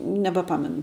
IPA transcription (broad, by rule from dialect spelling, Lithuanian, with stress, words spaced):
nʲɛbɐˈpɑːmʲɛnʊ